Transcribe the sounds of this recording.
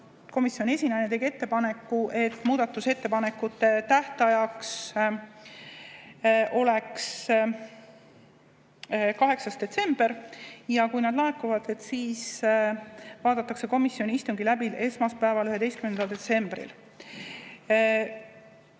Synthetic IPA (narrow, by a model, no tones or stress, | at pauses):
ko̞misjo̞nʲiesʲinɑjnet̪e̞ɡ̥ie̞t̪ːe̞pɑne̞kːˑuʔe̞t̪ːˑmuːd̪ɑt̪ːˑuse̞t̪ːepɑne̞kːut̪ːe̞t̪æht̪ɑjɑks | ʔo̞le̞ks | kɑɦe̞ksɑst̪d̪̥e̞t̪se̞mb̥e̞ɾjɑkujnɑd̪̥lɑekːˑuvɑd̪̥e̞t̪ːsiːs | vɑːd̪̥ɑt̪ːˑɑkse̞ko̞misːio̞nʲiist̪uŋɡilæbile̞smɑspæevɑlyɦe̞d̪e̞jst̪kymend̪ɑld̪e̞t̪se̞mb̥rḭl